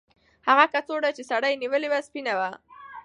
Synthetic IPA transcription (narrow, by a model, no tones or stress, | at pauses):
haɣakat͡soɖat͡ʃesaɽajniwəlewaspinawa